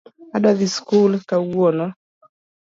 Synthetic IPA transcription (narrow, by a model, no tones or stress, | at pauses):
adaðiskulkawwɔnɔ